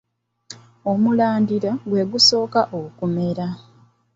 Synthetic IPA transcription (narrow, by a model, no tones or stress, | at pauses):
omulaːndiɾaɡwe̞ːɡuso̞ːkaʔokume̞ɾa